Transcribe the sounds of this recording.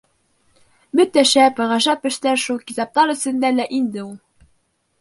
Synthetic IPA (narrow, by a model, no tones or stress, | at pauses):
mɵ̆t̪ːæʃæpɤʁɑʒɑpɘ̆ʃt̪æɾʃulˠkit̪ɑp̚t̪ɑɾɵ̆sɘ̆nd̪ælæʔind̪ɘulˠ